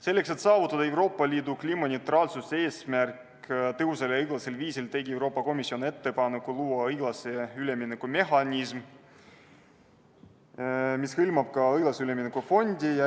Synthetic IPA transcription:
se̞lːe̞kse̞t̪sɑːvut̪ːˑɑd̪ɑe̞wɾo̞ːpːˑɑlʲiːd̪uklʲiːmɑnʲewt̪rɑːlsuse̞ːsmærk | t̪ɤɦuselɯjɡ̥lɑselviːsilt̪e̞ɡʲie̞wɾo̞ːpːˑɑko̞misːio̞ne̞t̪ːe̞pɑnekuluːɑɤjɡ̥lɑseyleminekume̞ɦɑnʲism | mishɯlmɑb̥̚kɑɤjɡ̥lɑseyleminekufo̞nʲd̪̥ʲijɑ

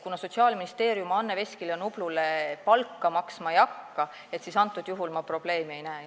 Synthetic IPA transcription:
kunɑso̞t̪siɑːlminist̪e̞ːɾjumɑɑnːe̞ve̞sʲkilenub̥lulepɑlkːɑmɑksmɑjɑkːɑ | e̞t̪sisɑnt̪ːˑud̪̥juɦulmɑpro̞b̥le̞ːmee̞jnæː

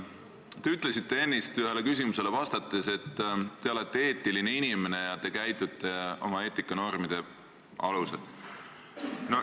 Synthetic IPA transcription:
t̪e̞yt̪ˑle̞sit̪ːe̞e̞nːist̪yɦe̞le̞kysʲimuse̞levɑst̪ɑt̪ːˑe̞se̞t̪ːe̞o̞let̪ːe̞e̞ːt̪ːˑiline̞inime̞ne̞jɑt̪e̞kæjt̪ːˑut̪ːˑe̞o̞̰mɑe̞ːt̪ːˑikːˑɑno̞rmid̪̥e̞ | ʔɑ̰lusḛd̪̥ | no

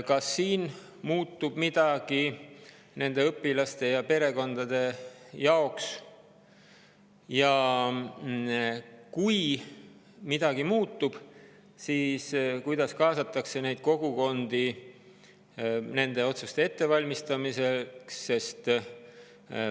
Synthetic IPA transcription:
kɑsːiːn | muːt̪ːub̥mid̪̥ɑɡ̥i | ne̞nd̪e̞ɤpːˑilɑst̪e̞jɑpe̞ɾe̞ko̞nd̪ɑd̪̥e̞jɑo̞ks | jɑ | kuj | mid̪̥ɑɡ̥imuːt̪ːub̥ | siːskujd̪̥ɑskɑːsɑt̪ːˑɑkse̞ne̞jd̪̥̚ko̞ɡ̥uko̞nd̪̥i | ne̞nd̪̥e̞o̞t̪sust̪e̞e̞t̪ːe̞vɑlʲmist̪ɑmise̞ksːe̞st̪

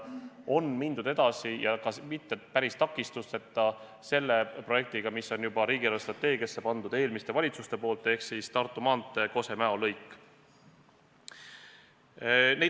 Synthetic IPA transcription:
o̞nmind̪ud̪e̞d̪̥ɑsijɑkɑmit̪ːepæɾist̪ɑkːˑist̪ust̪e̞t̪ːˑɑ | se̞lːe̞pro̞jek̚t̪iɡ̥ɑmisːo̞njubɑɾiːɡ̥ilest̪rɑt̪ːe̞ːɡiɑsːe̞pɑnd̪̥ud̪e̞ːlmist̪e̞vɑlʲit̪sust̪e̞po̞ːlt̪ːˑe̞hksist̪ɑrt̪ːˑumɑːnt̪ːˑeko̞se̞mæolɤjkːˑ | ne

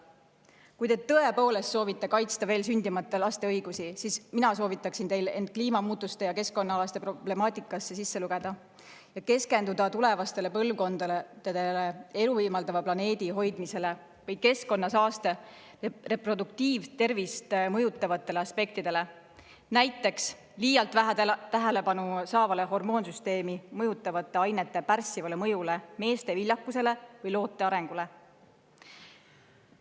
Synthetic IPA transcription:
kujt̪e̞t̪ːɤe̞po̞ːle̞st̪so̞ːvit̪ːˑe̞kɑjt̪st̪ɑve̞ːlsynʲd̪̥imɑt̪ːˑelɑst̪e̞ɤjɡ̥usisisminɑso̞ːvit̪ːˑɑksint̪e̞jle̞nd̪̥̚kliːmɑmuːt̪ːˑust̪e̞jɑke̞sko̞nːɑɑlɑst̪e̞prob̥le̞mɑːt̪ˑikːˑɑsːe̞sisːe̞luɡ̥e̞d̪̥ɑ | jɑke̞ske̞nd̪ud̪ɑt̪ule̞vɑst̪e̞le̞pɤlvko̞nd̪̥ɑld̪̥ɑd̪̥ele̞e̞luviːmɑld̪ɑvɑplɑne̞ːd̪̥iɦo̞jd̪̥mise̞le̞ | vɤj̚ke̞sko̞nːɑsɑːst̪e̞ | re̞pro̞d̪uk̚t̪iːvt̪ːe̞rvist̪mɤjut̪ːˑɑvɑt̪ːˑe̞le̞ɑspe̞k̚t̪id̪̥e̞le̞ | næjt̪ːˑe̞ks | liːjɑlt̪væt̪æɦele̞pɑnusɑːvɑle̞ɦo̞rmo̞ːnsyst̪e̞ːmimɤjut̪ːˑɑvɑt̪ːˑe̞ɑjnet̪ˑːe̞pærsːivɑlemɤjuleme̞ːst̪e̞vilʲjɑkːˑuse̞le̞vɤjlo̞ːt̪ːˑe̞ɑɾe̞ŋɡ̥ule̞

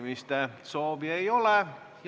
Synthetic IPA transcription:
mist̪æsoːʋieiole | j

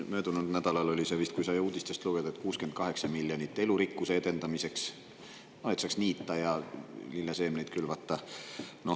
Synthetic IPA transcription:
mø̞ːd̪unud̪næd̪̥ɑlɑlo̞lʲisevist̪̚kujsɑjuːd̪̥ʲist̪e̞st̪luɡ̥e̞d̪ɑet̪̚ːˑkuːske̞nt̪̚kɑɦe̞ksɑmilːjonit̪ːˑe̞luɾikːuseed̪̥e̞nd̪ɑmise̞ks | noet̪sɑksniːt̪ːˑɑjɑlilːɑse̞ːmnejt̪̚kylvɑt̪ːɑno̞

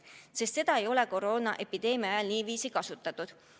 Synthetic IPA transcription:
se̞st̪se̞d̪̥ɑe̞jo̞le̞ko̞ɾo̞ːnɑ̰ʔe̞pid̪̥e̞ːmiɑjɑlniːviːsikɑsut̪ːˑɑt̪ːˑud̪̥

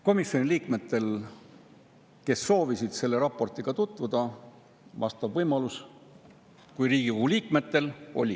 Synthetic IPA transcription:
ko̞misjo̞nʲiliːkme̞t̪ːˑe̞l | ke̞sːo̞ːvisid̪̥se̞lːe̞ɾɑpːˑo̞rt̪ˑiɡ̥ɑt̪ut̪ˑvud̪̥ɑ | vɑ̰st̪ɑbvɤjmɑlus | kujriːɡ̥iuuliːkme̞t̪ːe̞lo̞̰lʲi

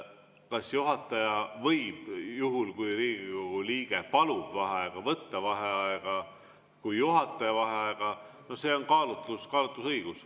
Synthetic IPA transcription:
kɑsjuɦɑt̪ːˑɑjɑvɤjb̥juɦulkujɾiːɡ̥iko̞ɡ̥uliːɡ̥epɑlub̥vɑɦeɑeɡ̥ɑvɤt̪ːɑvɑɦeɑeɡ̥ɑ | kujːuɦɑt̪ːˑɑjɑvɑɦeɑeɡ̥ɑ | no̞hse̞onkɑːlut̪ˑuskɑːlut̪ːˑusɤjɡ̥us

